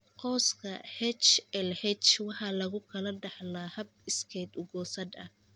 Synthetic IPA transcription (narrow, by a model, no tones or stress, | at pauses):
qɔːskʰɐhɛt͡ʃɛlhɛt͡ʃwɑħɑːlɐɣʊkʰɐlɐɖɐħlaːhɐb̚ɪskʰɛd̪ʊɡɔːsɐd̪ɐ̰h